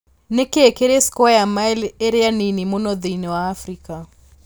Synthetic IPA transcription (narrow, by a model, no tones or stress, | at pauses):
nekeɛkeɾeskɔajamaɛleɾeaninimonɔðinɛwaːfɾika